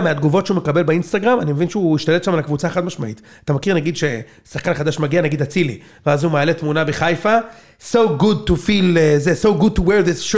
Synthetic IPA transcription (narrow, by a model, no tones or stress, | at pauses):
mead̪ɡuvo̞tʃeume̞kabe̞lbeinst̪aɡʁamanimevinʃeuiʃt̪aletʃamalakvut͡saːχat̪maʃma̰ʔḭt | at̪amakiʁnaɡid̪ʃe | saχkanχad̪aʃmaɡianaɡid̪at͡silḭ | veazumaːlet̪munabeχajfa | sowɡud̚tufilezesowɡud̚t̪uweɾðisʃ